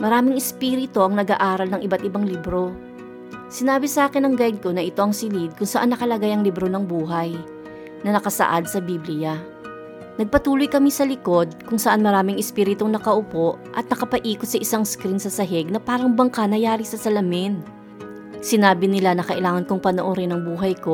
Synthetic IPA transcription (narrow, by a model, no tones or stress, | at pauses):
mɐɾaːmɪŋɪspiːɾɪt̪o̞ʔɐŋnɐɡa̰ːʔaːɾɐlnɐŋʔɪbat̪̚ɪbaŋlibɾo̞ | sɪnaːbɪsɐʔaːkɪnɐŋɡajd̪̚ko̞nɐʔɪt̪o̞ʔɐŋsɪlid̪̚kʊŋsɐʔanːɐkɐlɐɡajɐŋlɪbɾo̞nɐŋbuːɦɐj | nɐnɐkɐsɐ̰ʔa̰d̪̚sɐbiːblɪja | nɐɡ̚pɐt̪uːlojkɐmisɐlɪko̞d̪̚kʊŋsɐʔanmɐɾaːmɪŋɪspiːɾɪt̪ʊŋnɐkɐʔʊpo̞ʔʔɐt̪̚nɐkɐpɐʔiːkot̪sɐʔɪsaŋskɾinsɐsɐɦɛɡ̚nɐpaːɾɐŋbɐŋkɐnɐjaːɾɪsɐsɐlɐmɪn | sɪnaːbɪnɪlanɐkɐʔɪlaːŋɐnkʊŋpɐnoʔoɾɪnɐŋbuːɦɐjko̞